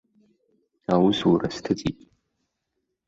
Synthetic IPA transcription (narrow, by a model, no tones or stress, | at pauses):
awʊsuɾastʰɨt͡sʼḭtʼ